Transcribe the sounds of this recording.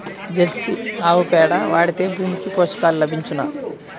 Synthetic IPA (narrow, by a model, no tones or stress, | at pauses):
d͡ʒelsiaːwupɛːɽɐʋaːɽit̪eːbʱuːmikipoːʂkaːlulɐbʱiɲt͡ʃuna̰